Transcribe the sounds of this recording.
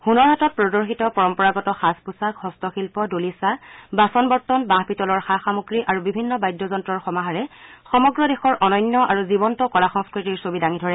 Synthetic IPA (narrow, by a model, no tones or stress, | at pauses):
xunɔɹɦatɔt̚pɹɔdɔɹxitɔpɔɹɔmpɔɹaɡɔtɔxaspusakhɔstɔxilpɔdolisabasɔnbɔɹtːɔnbãhpitɔlɔɹxaxamuɡɹiʔaɹubibʱinːɔbajdːɔzɔntɹɔɹxɔmaɦaɹɛxɔmɔɡɹɔdexɔɹʔɔnɔjɲnːjɔʔaɹuzibɔntɔkɔlaxɔŋskɹitiɹsobidaŋidʱɔɹɛ